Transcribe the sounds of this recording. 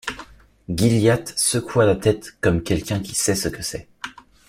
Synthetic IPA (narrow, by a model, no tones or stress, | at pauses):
ɡʲiljat̪səkʰualat̪ɛt̪kɔmkʲɛlkʲɛ̃kʲi̥sɛsəkəsɛ